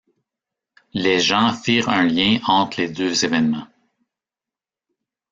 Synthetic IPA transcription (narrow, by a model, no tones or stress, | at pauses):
leʒɑ̃fiːʁə̃ljɛ̃ɑ̃t̪χled̪øzevɛnmɑ̃